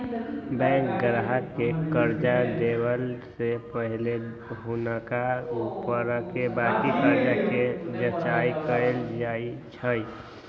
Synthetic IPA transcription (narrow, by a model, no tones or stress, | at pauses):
bɛ̃ŋk̚ɡɾaɦəkekəɾd͡ʒad̪ewəlsepəɦile | ɦunəkaupəɾkebaːtikəɾd͡ʒaked͡ʒət͡ʃaːikəeld͡ʒaːit͡ʃʰəi